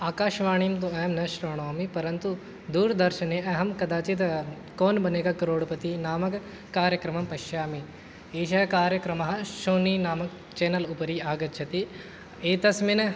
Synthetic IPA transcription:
aːkaːʃʋaːɳimt̪uɐːmnɐʃɾoːɳoːmipɐɾɐnt̪u | d̪uːɾd̪ɐɾʃɐneːʔɐɦɐmkɐd̪aːt͡ʃit̪ | koːnbɐneːɡɐkɐɾoːɽpɐt̪inaːmɐk | kaːɾjɐkɾɐmɐmpɐʃjaːmi | eːʃ̬ɐjɐkaːɾjɐkɾɐmɐɦɐ̆ʃoːniːnaːmɐk | t͡ʃeːnɐlupɐɾiːaːɡɐt̪ːt͡ʃʰɐt̪i | eːt̪ɐsminɐ

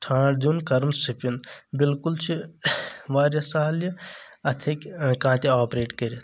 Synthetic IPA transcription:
ʈʰãːɖd̪unkɐɾmsipinbilkult͡ʃʰi | ʋaːɾjɐsaːljɐɐt̪ʰikkãːt̪iaːpɾeːʈkɐɾit̪ʰ

